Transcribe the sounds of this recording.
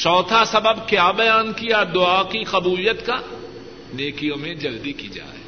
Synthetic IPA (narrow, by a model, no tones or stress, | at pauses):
t͡ʃɔːt̪ʰasɐbəbkjaːbɐjaːnkijad̪ʊaːkixɐbuːlɪjət̪ka | neːkijõmẽd͡ʒɐld̪ikid͡ʒa̰ːɛ